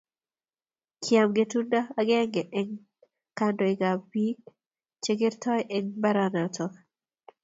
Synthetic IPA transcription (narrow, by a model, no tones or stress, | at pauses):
kʰjamɡetundaaɡɛŋɡɛʔɛŋ | kandɔiɡabik̚ | t͡ʃeɡɪɾtɔjʔɛŋbaɾanatʰɔ